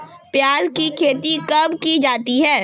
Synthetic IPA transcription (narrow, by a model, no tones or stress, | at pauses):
pjaːzkikʰeːt̪ikɐbkid͡ʒaːt̪iɦɛː